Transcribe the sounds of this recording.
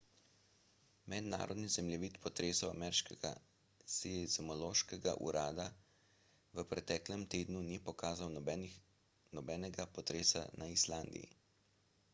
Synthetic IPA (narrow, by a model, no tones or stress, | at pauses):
mɛd̪na̰ːɾɔd̪nizɛmljɛʋiːt̪pɔt̪ɾeːsɔwa̰mɛɾʃkɛɡa̰ | sizmɔloːʃkɛɡa̰ʔṵɾʔaːd̪a | ʋəpɾɛt̪ɛːklɛmt̪eːd̪nunipɔkaːzaw | nɔbɛːnɛɡapɔt̪ɾeːsa̰naislaːnd̪ḭjḭ